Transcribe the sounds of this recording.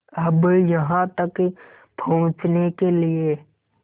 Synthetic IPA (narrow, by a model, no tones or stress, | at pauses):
əbjɐɦãt̪ək | pʰɐɦʊ̃t͡ʃnekelie